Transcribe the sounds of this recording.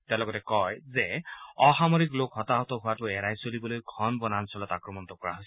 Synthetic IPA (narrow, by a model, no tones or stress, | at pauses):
tɛʊ̃lɔɡɔtɛkɔjzɛɔxamoɹiklokʰːɔtaɦɔtɔɦʊwatʊɛɹajsolibɔlojkʰɔnbɔnansɔlɔtakɹɔmɔntɔkɔɹa̰ɦojsɛ